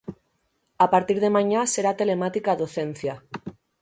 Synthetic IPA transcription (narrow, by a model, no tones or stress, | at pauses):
apaɾt̪iɾð̞emãɲaseɾat̪elemat̪ikaðoθen̟θja